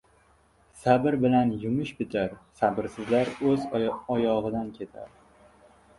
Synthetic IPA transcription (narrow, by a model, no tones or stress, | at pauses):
sabɪɾbɪlanjʊmɪʃbɪt̪ʰaɾsabɪɾsɪzlaɾɵzɒjɒʁɨd̪ankʲʰe̞t̪ʰa̰ɾ